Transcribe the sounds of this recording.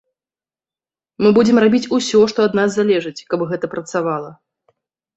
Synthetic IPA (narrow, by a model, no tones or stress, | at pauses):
mɨbud͡zʲɛmrabʲit͡sʲusʲɔʂt̪ɔad̪nazːalʲɛʐɨt͡sʲkɐbɣɛt̪ɐpɾɐt̪savalˠɐ